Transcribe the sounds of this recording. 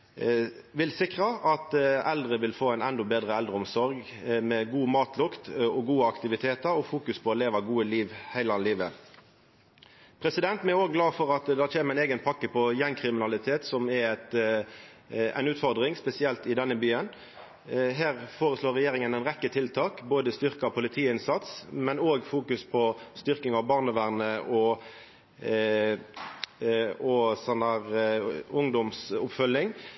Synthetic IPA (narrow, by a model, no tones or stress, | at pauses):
ʋɪlsɪkʁɑʔɑt̪ɛld̪ʁəʋɪlfoːæɪnɛnd̪ɔbeːd̪ʁəɛld̪ʁəɔmsɔɾɡ | mɛɡuːmɑːt̪lʊkt̪ɔɡuːəɑkt̪ɪʋɪt̪ʰeːt̪əɾɔfuːkʉspʰɔleːʋɑɡuːəliːʋhæɪlɑliːʋə | pʰɾɛsɪd̪ɛnt̪mɛɛoːɡɡlɑːfɔʁɑt̪d̪æːt͡ʃʰeːməæɪneːɡənpʰɑkːəpʰɔjɛnkʰʁɪmɪnɑlɪt̪ʰeːt̪sɔmɛt̪ | æ̰ɪnʉːt̪fɔʁd̪ʁɪŋspɛsɪɛlt̪ɪd̪ɛnːəbyːən | ɦæːʁfoːʁəsloːɾɛjeːɾɪŋənæɪnʁɛkːət̪ʰɪlt̪ʰɑːkboːd̪əst̪ʏɾkɑɔpʰʊlɪt̪ʰiːəɪnsɑt̪smɛnoːɡfuːkʉspʰɔst̪ʏʁkɪŋɑʋbɑːʁnəʋæʁnəʔɔ | oːsənɑʁʊŋd̪ɔmsʊpfœlːɪŋ